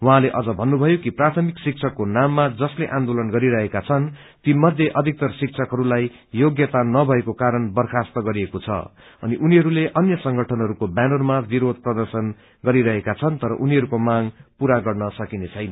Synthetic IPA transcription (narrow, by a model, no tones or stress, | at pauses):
wʌɦãleʔʌd͡zʌbʱʌnːubʱʌjokiprat̪ʰʌmiksik̚t͡sʰʌkːonamːad͡zʌsleʔãnd̪olʌnɡʌɾiɾʌɦekat͡sʰʌn | t̪imʌd̪ʱjeʔʌd̪ʱik̚t̪ʌrsik̚t͡sʰʌkɦʌɾulaj | joɡjʌt̪anʌbʱʌekokaɾʌnbʌrkʰast̪ʌɡʌɾiekot͡sʰʌ̰ | ʌ̰niʔuniɦʌɾuleʔʌnjʌsʌŋɡʱʌʈʰʌnɦʌɾukobanʌrmabiɾod̪̚ʱprʌd̪ʌrsʌn | ɡʌɾiɾʌɦekat͡sʰʌnt̪ʌɾʌ̰ʔuniɦʌɾukomaŋpuɾaɡʌrnʌsʌkinet͡sʰʌjnʌ